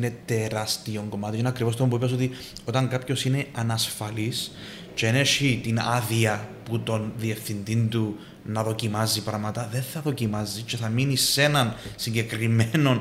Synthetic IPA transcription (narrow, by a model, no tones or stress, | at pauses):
ne̞t̪e̞ɾɐst̪io̞ŋɡomɐt̪iinɐkɾivos̬t̪oompuipes̬o̞t̪i | o̞t̪ɐŋɡɐpço̞sine̞ɐnɐsfɐlis | t͡ʃeneʃit̪inɐ̰ðiɐput̪o̞nðie̞fθind̪ind̪u | nɐðo̞cimɐzipɾɐmɐt̪ɐðe̞nθɐðo̞cimɐzit͡ʃe̞θɐminise̞nɐnsiɲɟe̞kɾimeno̞n